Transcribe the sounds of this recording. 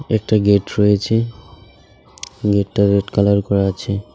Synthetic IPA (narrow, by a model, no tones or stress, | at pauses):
ɛk̚ʈaɡeʈɹojet͡ɕʰe | ɡeʈːaɾeʈkalaɾkɔɾaat͡ɕʰe